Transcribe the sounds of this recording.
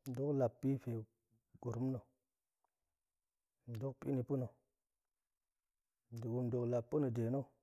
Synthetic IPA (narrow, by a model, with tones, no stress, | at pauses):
n˨do˦kla˨pːi˦fe˨ | ɡ̥u˨ɾu˦m˦no˨ | n̩˨do˦k̚pḭ˦ni˨pu˦no˨ | di˨ɡu˨m˨do˨kla˨pːu˦no˨de˨no˦˨